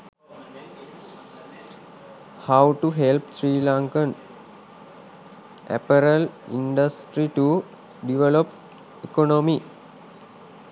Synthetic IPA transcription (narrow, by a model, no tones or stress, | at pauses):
hawʈuɦelpsɾiːlãŋkən | ʔæ̰pəɾəlḭɳɖəsʈɾiʈu | ɖiʋelop | ekonomi